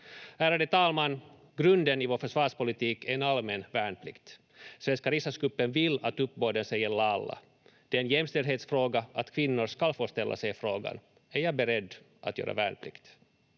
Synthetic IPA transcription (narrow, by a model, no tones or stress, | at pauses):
æːɾaɖət̪ʰɑːlmanː | ɡɾɵnd̪ənɪvoːɾfœʂvɑːʂpʊlɪt̪iːkæɛnalmɛnvæːɳpʰlɪkt̪ | svɛnskaɾɪsasɡɵpːənvɪlːat̪ɵpːboːd̪ənsɛjːəɭɑlːa̰ | d̪̥ɛːnjɛmst̪ɛld̪heːt̪sfɾoːɡaʔat̪kʰvɪnːʊɾʂkalfoːʂt̪ɛlːʔa̰sɛjfɾoːɡa̰n | æɾjɑːbɛɾɛd̪ː | ʔat̪jø̰ːɾʔa̰væ̰ːɳpʰlɪ̰kt̪